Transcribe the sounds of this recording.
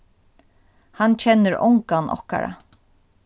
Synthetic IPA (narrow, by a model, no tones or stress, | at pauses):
hant͡ʃʰɛnːəɾɔ̰ŋkanɔ̰hka̰ɾa̰